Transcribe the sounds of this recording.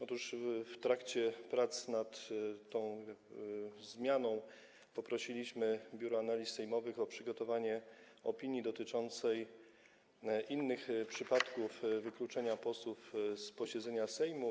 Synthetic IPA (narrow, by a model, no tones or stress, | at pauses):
ɔt̪uʂft̪ɾakt͡ɕɛpɾat̪snat̪t̪ːɔ̃w̃ | zmʲjanɔ̃w̃ | pɔpɾɔɕilʲiɕmɘbʲjuɾɔanalʲissɛjmɔvɘxɔpʂɘɡɔt̪ɔvaɲɛ | ɔpʲiɲid̪ɔt̪ɘt͡ʂɔnt̪sɛj | ʔinːɘxpʂɘpat̪kufvɘklut͡ʂɛɲapɔswufspɔɕɛd̪zɛɲasɛjmu